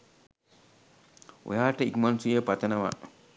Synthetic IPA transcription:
wṵjaːʈaikmansujepat̪ɐnawa̰

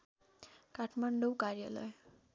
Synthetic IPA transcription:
kaʈʰmaɳɖəwkaɾjələ̰j

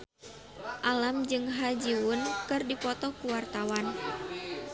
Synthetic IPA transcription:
ʔalamd͡ʒɨŋɦad͡ʒiwʊnkɨrdipɔt̪ɔkuwart̪awan

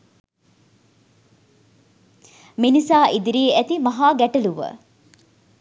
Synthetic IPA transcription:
minisaːʔid̪iɾiːæt̪imɐɦaːɡæʈɐluʋə̰

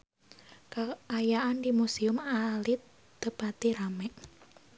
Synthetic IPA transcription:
kaajaʔand̪imusiʊmalɪt̪ | d̪̥əpat̪iɾamɛʔ

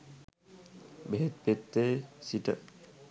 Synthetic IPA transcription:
beɦet̪̚pet̪ːesiʈə

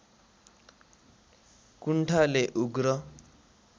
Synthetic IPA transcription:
kuɳʈʰaleʔuɡɾʌ

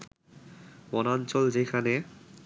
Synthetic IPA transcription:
bɔnant͡ɕɔld͡ʑejkʰane

